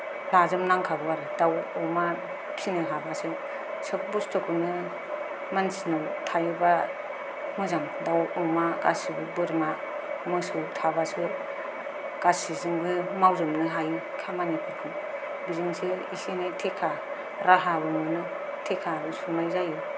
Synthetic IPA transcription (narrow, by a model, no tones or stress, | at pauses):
lazɯmnaŋkʰabɯaɾɯdawɔma | pʰinɯɦabasɯ | sɯk̚bustʰɔkunɯ | mansinawtʰajuba | mɯzaŋdawɔmaɡasibɯbɯɾma | mɯsɯtʰabasɯ | ɡ̥asizɯŋbɯmawzɯmnɯɦaj | kʰamanipʰɯɾkʰɯn | bizɯŋseḭsenɯtʰekʰa | ɾaɦabɯmɯnɯ | tʰekʰasumajzaju